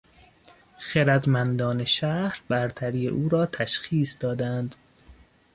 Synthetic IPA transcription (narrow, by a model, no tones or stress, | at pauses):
xeɾæd̪mænd̪ɒːne̞ʃæhɾbæɾt̪ʰæɾiːjḛʔuːɾɒːt̪ʰæʃxiːsd̪ɒːd̪ænd̪